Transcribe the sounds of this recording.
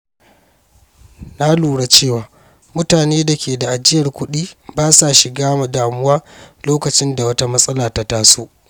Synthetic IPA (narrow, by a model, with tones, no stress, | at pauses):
na˦luː˨ɽa˦t͡ʃeː˦˨waː˨ | mʊ˦taː˨neː˦da˨kʲeː˨da˨ʔa˨d͡ʒɪ˦jɐ˨rkʷʊ˦ɗiː˦baː˦sa˨ʃɪ˨ɡaː˦ma˨daː˨mʊ˦waː˦loː˦kɐ˨t͡ʃɪ˦nda˨wɐ˦ta˦mɐ˦sʼɐ˦laː˨ta˦taː˦soː˦ʔ